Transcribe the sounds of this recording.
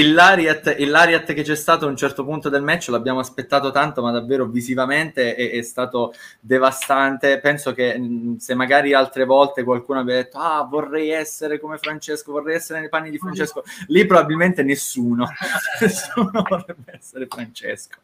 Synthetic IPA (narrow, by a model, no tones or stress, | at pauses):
ilːaɾjat̪ilːaɾjat̪ːk̟et͡ʃːɛst̪aːt̪oaunt͡ʃɛrt̪opunt̪od̪elmɛt͡ʃːoloabːjaːmoaspet̪ːaːt̪ot̪ant̪omad̪ːavːeːɾovizivament̪eɛɛst̪aːt̪od̪evast̪ant̪epɛnsok̟esemːaɡaːɾialt̪ɾevɔlt̪ekwalkuːnoabːjad̪et̪ːoavorːɛjɛsːeɾekomefɾant͡ʃeskovorːɛjɛsːeɾenejpanːid̪ifɾant͡ʃɛskolipːɾobabilment̪enesːuːnonesːuːnovorrɛbːeɛsːeɾefɾant͡ʃɛ̰sko̥